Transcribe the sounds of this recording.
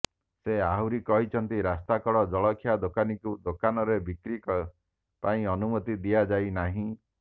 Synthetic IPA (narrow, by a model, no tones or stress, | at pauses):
seaɦuɾikɔɦit͡ʃʰɔnt̪iɾast̪akɔɽɔd͡ʒɔɭɔkʰjad̪okanikud̪okanɔɾebikɾikɔ | paĩɔnumɔt̪id̪iad͡ʒajnaɦĩ